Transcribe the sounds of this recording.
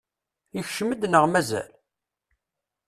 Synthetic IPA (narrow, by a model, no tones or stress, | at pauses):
içʃəməd̪nəʁmæzæ̰l